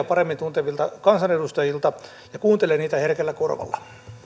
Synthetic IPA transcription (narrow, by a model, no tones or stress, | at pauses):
ɑpɑremːint̪unt̪eʋilt̪ɑkɑnsɑnedust̪ɑjilt̪ɑ | jɑkuːnt̪eleniːt̪æherkelːækorʋɑ̰lːɑ̰